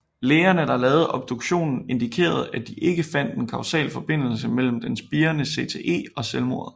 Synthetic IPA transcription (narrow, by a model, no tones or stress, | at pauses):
leːɐnəd̥ɑ̈lɛːʊð̞̩ˠɒ̽b̥̚d̥oɡ̥ɕo̝̰ːnn̩e̝nd̥ikʰe̝̰ːɐð̞̩ˠæd̥iʔe̝ɡ̥əfæn̰d̥e̝nkʰɑ̈ʊsɛ̰ːlfɒ̽b̥e̝n̰l̩səmel̰m̩d̥ensb̥iːɐnəse̝̰ːt͡sʰeʔe̝̰ːɒ̽selmo̝ɐ̰ðˠ